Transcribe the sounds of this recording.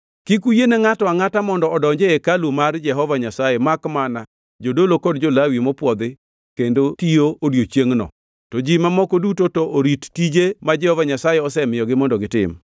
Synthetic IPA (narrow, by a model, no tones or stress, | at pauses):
kikujeneŋatwaŋatamɔndɔɔdɔɲd͡ʒeekalumard͡ʒɛɦɔvaɲasajemakmana | d͡ʒodolokɔdd͡ʒolawimɔpwɔd̪ɪ | kendotijoʔodjot͡ʃjeŋnɔ̰ | tɔd͡ʒimamɔkodutotoʔoɾittid͡ʒemad͡ʒɛhɔvaɲasajeɔsɛmɪjɔɡɪmɔndɔɡɪtɪ̰m